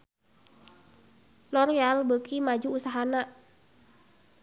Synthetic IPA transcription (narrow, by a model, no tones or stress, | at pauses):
lɔɾialbəkimad͡ʒuːsaɦana